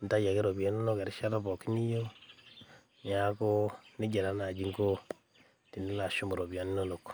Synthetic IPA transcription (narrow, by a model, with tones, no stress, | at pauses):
n˨ta˦ja˨ke˦ɾo˨ba˨no˦no˦ke˨ɾi˦ʃa˦ta˦bo˨ki˦ni˦jo˦ | ɲa˨˦ko˦ni˦ɟe˨ɾa˦na˨d͡ʒi˦ŋɡo˦ | ti˨ni˦la˨ʃo˦mo˨ɾo˨bi˨a˨ni˦no˦no˨k